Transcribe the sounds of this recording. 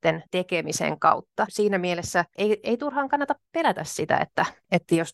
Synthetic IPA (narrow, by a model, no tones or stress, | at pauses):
t̪ent̪ekemisḛŋkɑ̰ut̪ːɑsiːnæmielesːæʔeieit̪urhɑːŋkɑnːɑt̪ɑppelæt̪æssit̪æ̰ḛt̪ːæet̪ːæjos